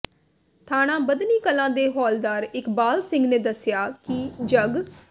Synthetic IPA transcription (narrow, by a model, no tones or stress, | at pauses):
t̪ʰaːɽ̃ãːbəd̪niːkəlãːd̪eːɦɔːld̪aːɾɪkbaːlsɪ̃ŋɡnẽːd̪əsɪjaːkɪd͡ʒəɡ